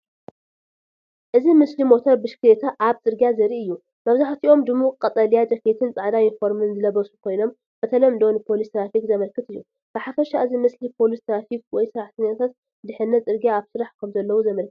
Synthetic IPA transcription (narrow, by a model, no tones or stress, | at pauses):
ʔɨzimɨslimo̞t̪ʰɐɾbɨʃkʰɨlet̪ʰaʔaβt͡sʼɨɾɡijazɐɾiʔɨjːu | mɐβzaħt̪ʰiʔo̞md̪ɨmːukʼɐt̪ʼɐlijad͡ʒ̪ɐket̪ʰɨnt͡sʼaʕd̪ajinfo̞ɾmɨnzɨlɐβɐsukʰo̞jno̞m | b̥ɐt̪ʰɐlɐmd̪ownɨpʰo̞list̪ʰɾafik̚zɐmɐlkʰɨt̪ɨjːu | b̥ɨħafɐʃaʔɨzimɨslipʰo̞list̪ʰɾafik̚wɔjsɨɾaħt̪ʰɐɲːat̪ʰat̪ | d̪ɨħɨnːɐt͡sʼɨɾɡjaːβsɨɾaħkʰɐmzɐlːɐwuzɐmɐlkʰɨt̪